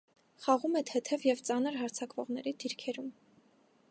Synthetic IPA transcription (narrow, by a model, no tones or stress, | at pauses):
χɑʁumɛt̪ʰɛt̪ʰɛvjɛvt͡sɑnəɾɦɑɾt͡sʰɑkvɔʁnɛɾid̪̥iɾkʰɛɾum